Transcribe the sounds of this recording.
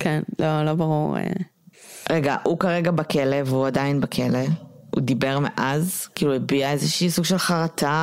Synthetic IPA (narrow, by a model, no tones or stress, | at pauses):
kʰɛnlolobaʁuʁḛ | ʁeɡaʔukaʁeɡabakeleveuadainbakʰele | ṵdibe̞ʁmḛʔazkiːluebiaezeʃiːsuɡʃelχaʁata